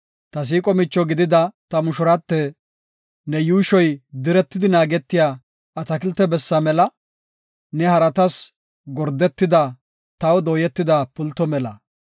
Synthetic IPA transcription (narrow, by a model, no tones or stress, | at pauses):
t̪ɐs̬iːkʼɔmɪt͡ʃːɔɡɪd̪ɪd̪ɐt̪ɐmʊʃʊɾɐt̪ːɛ | nɛjuːʃɔjd̪ɪɾɛt̪ːɪd̪ɪnaːɡɛt̪ːɪjaː | ɐt̪ɐkɪlt̪ːɛbɛsːɐmɛlɐ | nɛhɐɾɐt̪ɐs | ɡɔɾd̪ːɛt̪ːɪd̪ɐ | t̪ɐwd̪oːjɛt̪ːɪd̪ɐpʊlt̪ːɔmɛlɐ̰